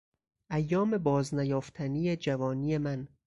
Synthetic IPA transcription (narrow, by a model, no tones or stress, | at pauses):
ʔæjːɒːme̞bɒːznæjɒːft̪ʰænijed͡ʒævɒːniːjemæn